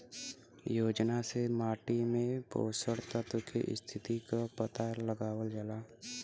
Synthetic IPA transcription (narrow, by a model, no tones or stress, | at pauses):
joːd͡ʒnasemaːʈimẽpo̰ːsəɽt̪ət̪ʊkḛʔɪ̰st̪ʰɪt̪ikapət̪aləɡaːwəld͡ʒəlaː